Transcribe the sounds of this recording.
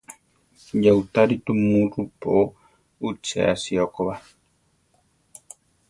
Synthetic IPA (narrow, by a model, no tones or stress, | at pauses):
jaut̪aɾit̪umuɾupo | ut͡ʃɛ̰a̰siɔkoβa